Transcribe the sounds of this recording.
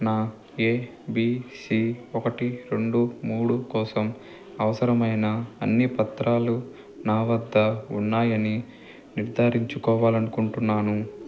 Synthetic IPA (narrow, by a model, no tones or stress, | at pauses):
naː | eː | biːsiːɔkɐʈiɾe̞ɳɖumuːɽukɔːsɐm | ɐʋɐsɐɾɐmɐjnɐɐ̰nːipɐt̪ɾaːlu | naːʋɐd̪ʱːɐunːaːjɐni | niɾd̪ʱaːɾiɲt͡ʃukɔːʋaːlɐnukuɳʈunːaːnu